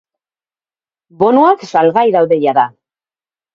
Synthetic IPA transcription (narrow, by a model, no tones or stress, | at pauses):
bo̞nuaksalɣajðawðe̞jaða